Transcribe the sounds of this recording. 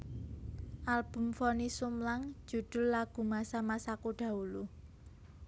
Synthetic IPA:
ʔalb̥ʊ̤mfɔnisʊmlaŋ̥d͡ʒ̥ṳd̪̥ʊ̤lːaɡ̥ṳmasamasakuɖ̥ä̤ulu

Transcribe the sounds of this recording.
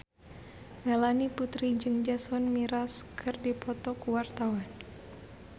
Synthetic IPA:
ŋalaniput̪ɾid͡ʒɨŋd͡ʒasɔnmiɾaskʰɨrdipʰɔt̪ɔkuwart̪awan

